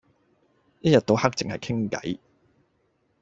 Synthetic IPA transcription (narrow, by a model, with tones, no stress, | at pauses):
jɐ˥t̚jɐ˨t̪̚o˨˧whɐ˥k̚t͡sɪ˨ŋhɐ˨jkʰɪ˥ŋkɐ̰˨˥j